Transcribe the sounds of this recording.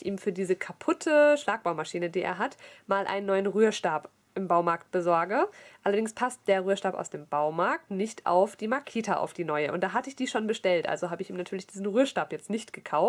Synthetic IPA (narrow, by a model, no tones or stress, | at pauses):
ʔḭːmfyːɐdiːzəkʰapʰʊtʰəʃlaːk̚b̥aʊmaʃiːnədiːʔḛːɐɦatmaːlʔa̰ɪnənːɔʏənʁyːɐʃtaːp | ʔɪmbaʊmaɐkt̚b̥əzɔɐɡəʔalɐdɪŋspʰast̚d̥eːɐʁyːɐʃtaːpa̰ʊsd̥eːmb̥aʊmaɐk̚tnɪçtʔa̰ʊfd̥iːmaɐkʰeːtʰaʔa̰ʊfd̥iːnɔʏəʔʊ̰ntd̥aːɦatəɪçd̥iːʃoːnbəʃtɛltʔa̰lzohɦaːbəɪçiːmnatʰyːɐlɪçd̥iːzn̩ʁyːɐʃtaːpjɛt͡stnɪçtɡ̥əkʰaʊf